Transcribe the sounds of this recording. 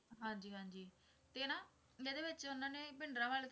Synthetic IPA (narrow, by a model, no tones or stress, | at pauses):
ɦãːɲd͡ʒiːɦãːɲd͡ʒiː | t̪eːnaː | eːd̪eːʋɪt͡ʃʊnãːneːbɪɳɖɾãːʋaːlt̪